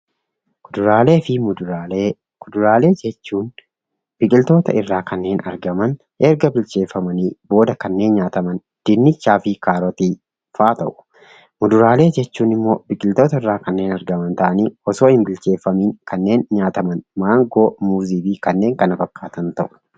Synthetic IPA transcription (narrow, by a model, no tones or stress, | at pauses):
kʊd̪ʊɾaːle̞ːfɪmʊd̪ʊɾaːleː | kʊd̪ʊɾaːle̞ːd͡ʒɛt͡ʃːuːn | b̥ɪkʼɪlt̪o̞ːt̪ɐ̰ɪrːaːkʰɐnːe̞ːnɐ̰ɾɡɐmɐn | ʔɛɾɡɐbɪlt͡ʃe̞ːfːɐmɐniːbo̞ːd̪ɐkɐnːe̞ːnɲaːt̪ɐmɐn | d̪̥ɪnːɪt͡ʃːaːfɪkaːɾɔt̪iː | faːt̪ɐʔʊ̥ | mʊd̪ʊɾaːle̞ːd͡ʒɛt͡ʃːuːnɪmːo̞ːbɪkʼɪlt̪o̞ːt̪ɐɪrːaːkɐnːe̞ːnɐɾɡɐmɐnt̪ɐʔɐniːɔso̞ːhɪnbɪlt͡ʃe̞ːfːɐmiːŋkɐnːe̞ːnɲaːt̪ɐmɐnmaːŋɡo̞ːmuːziːbiːkɐnːe̞ːŋkɐnɐfɐkːaːt̪ɐnt̪ɐʔʊ̥